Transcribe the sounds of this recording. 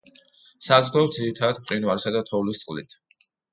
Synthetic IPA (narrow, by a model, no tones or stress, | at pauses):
sazd̪ɔd̪ziɾit̪ʰad̪ad̪mqʼɾinvwaɾisad̪at̪ʰɔvlist̪sʼlit̪ʰ